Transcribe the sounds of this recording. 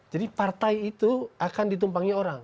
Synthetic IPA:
d͡ʒadipart̪aiit̪uakandit̪̬umpaŋioɾaŋ

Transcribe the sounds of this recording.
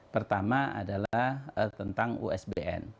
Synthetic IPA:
pərt̪amaa̰dalahət̪ənt̪aŋṵɛsbeʔɛ̰n

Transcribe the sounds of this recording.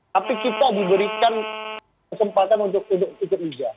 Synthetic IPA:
tapikit̪adibəɾikan | kəsəmpat̪anunt̪ʊk̚unt̪ʊk̚uk̪ʊp̚bid͡ʒa

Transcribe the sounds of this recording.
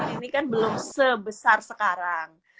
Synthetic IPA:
inikanbəlʊmsəbəsarsəkaɾaŋ

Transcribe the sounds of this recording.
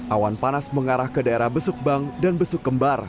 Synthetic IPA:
ʔawanpanasməŋaɾahkədaeɾahbəsʊk̚baŋdanbəsʊkːəmbar

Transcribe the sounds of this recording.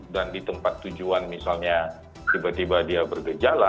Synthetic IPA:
dandit̪əmpat̪ːud͡ʒuanmisalɲa | t̪ibat̪ibadiabərɡəd͡ʒala

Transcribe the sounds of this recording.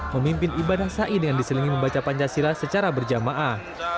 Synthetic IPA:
məmimpɪnibadahsaʔidəŋandisələŋiməmbat͡ʃapaɲt͡ʃasiɾasət͡ʃaɾabərd͡ʒamaʔah

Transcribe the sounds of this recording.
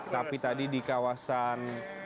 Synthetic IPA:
t̪apit̪adidikawasan

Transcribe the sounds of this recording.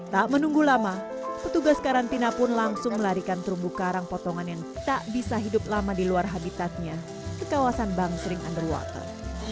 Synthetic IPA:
t̪aʔmənuŋɡulama | pət̪uɡaskaɾant̪inapʊnlaŋsʊŋməlaɾikant̪əɾumbukaɾaŋpɔt̪ɔŋanjaŋt̪aʔbisaɦidʊp̚lamadiluarɦabit̪at̪̚ɲa | kəkawasanbaŋsəɾɪŋa̰ndəlwa̰t̪ə̰r

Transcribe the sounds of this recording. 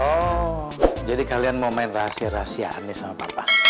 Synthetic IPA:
ɔ | d͡ʒadikalianmaumaɪnraɦasiaɾaɦasia̰ʔa̰nːisamapapa

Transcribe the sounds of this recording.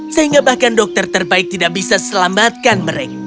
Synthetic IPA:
səɦiŋɡabahkandɔk̚t̪ərt̪ərbaɪk̚t̪idaʔ̚bisasəlamat̪̚kanməɾeka

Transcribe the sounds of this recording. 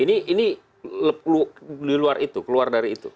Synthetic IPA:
iniːni | lp̚lliluarit̪ukəluardaɾiːt̪u

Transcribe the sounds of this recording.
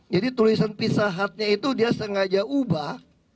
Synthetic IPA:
d͡ʒadit̪ulisanpisaɦat̪̚ɲait̪udiasəŋad͡ʒaʔubah

